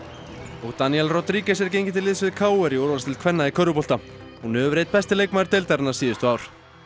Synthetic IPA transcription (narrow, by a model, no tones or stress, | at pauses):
ɔɣt̪aniɛlrɔt̪ɾiːcɛs̬ɛɾc̬ejɲcɪt̪ʰɪlɪðsvɪðkʰaːwɛɾiɔwɾvalst̪ʰɪlkʰvɛnːaikʰœɾðʏpɔlt̪a | hunʏʏɾejt̪̚pɛst̪ɪlejkmaɪɾt̪ejlt̪aɾnaɾsiːðʏst̪ʏaːwɾ̥